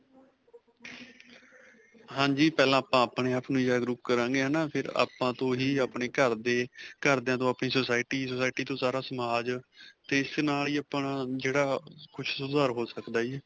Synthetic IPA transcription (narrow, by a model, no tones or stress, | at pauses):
ɦãːd͡ʒiːpɛːlãːaːpãːaːpɳeːaːpnũːd͡ʒaːɡɾuːp̚kəɾãːɡeːaːnaːpʰɪɾa̰ːpãːt̪õːɦiːaːpɳeːkəɾd̪eːkəɾd̪eãːt̪õːaːpɳiːsosaːɪʈiːsoːsaːɪʈiːt̪õːsaːɾaːsəmaːd͡ʒt̪eːɪsnaːliːaːpnãːd͡ʒeːɽaːkʰʊt͡ʃʰsʊd̪aːɾɦoːsəkd̪aːd͡ʒiː